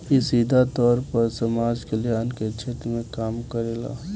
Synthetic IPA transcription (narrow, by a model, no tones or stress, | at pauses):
kisiːd̪ʱat̪ɔːɾpəɾsɐmaːd͡ʒkelieənket͡ʃʰeːt̪ɾəmẽkaːmkəɾeːla̰ː